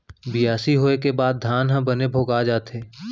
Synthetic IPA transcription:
bɪjaːsiɦoːekebaːd̪̚d̪ʱaːnɦɐ̃bənebʱoːɡaːd͡ʒaːt̪eː

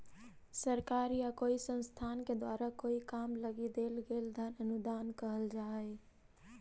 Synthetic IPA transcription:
səɾkaɾjakoisə̃nst̪ʰanked̪waɾakoikamləɡid̪elɡeld̪ʱənənud̪ankəɦəld͡ʒaɦɛ

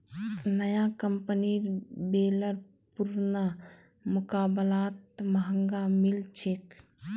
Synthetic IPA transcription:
nəjakəmpənibeləɾ | puɾna | mukaːbəlaːt̪məɦəŋɡamilt͡ʃʰek

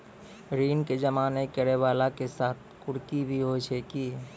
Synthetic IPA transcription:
ɾiːnked͡ʒəmaːnekəɾeʋaːlakesaːt̪̚ʰkʊɽkibʱiɦot͡ʃʰekiː

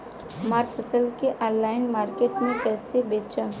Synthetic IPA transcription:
maːɾfʰəsəlkeʔɔːlːaːɪnmaːɾkeːʈmẽkɛːsebeːt͡ʃa

